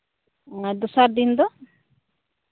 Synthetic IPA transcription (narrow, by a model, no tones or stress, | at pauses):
ŋad̪usaɾd̪ind̪ɔ